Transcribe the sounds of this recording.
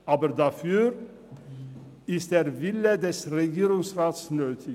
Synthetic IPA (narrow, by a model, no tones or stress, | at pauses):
ʔaːbədafyːɾ | ɪst̚d̥̪eːʁvɪlədɛsʁeɡiːɾʊŋsʁaːtsnøːt̪ʰɪ